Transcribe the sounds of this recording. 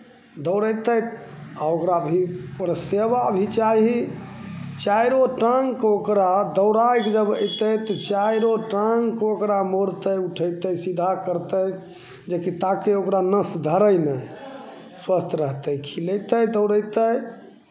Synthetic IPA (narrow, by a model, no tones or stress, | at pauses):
d̪əʊɾəjt̪əj̪aokɾabʱipəɾseʋabʱit͡ʃai | t͡ʃajɾoʈə̃ŋɡkokɾad̪əʊɾajkd͡ʒəbə̰jt̪əjt̪ɔt͡ʃajɾoʈaŋɡkokɾamoɾt̪əjuʈʰəjt̪əjsid̪ʱakəɾt̪əj | d͡ʒekit̪akeokɾanəsd̪ʱəɾəjnəj | swəst̪ʰɾəɦt̪əjkʰiləjt̪əjd̪əʊɾəjt̪əj